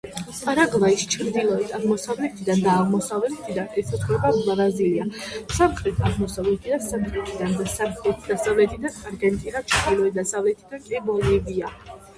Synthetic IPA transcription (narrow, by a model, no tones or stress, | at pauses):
pʼaɾaɡlˠaist͡ʃʰɾd̪ilˠɔɛt̪ʰaʁmɔsavlɛt̪ʰid̪and̪aːʁmɔsavlɛt̪ʰid̪anɛsʰat̪ʰχwɛbablˠaɾaziliasamχɾɛt̪ʰaʁmɔsavlɛt̪ʰid̪ansamχɾɛt̪ʰid̪and̪asamχɛt̪ʰd̪asavlɛt̪ʰid̪anaɾɡɛnt̪ʼinat͡ʃʰɾd̪ilˠɔɛd̪asavlɛt̪ʰid̪ankʼɛbɔlivia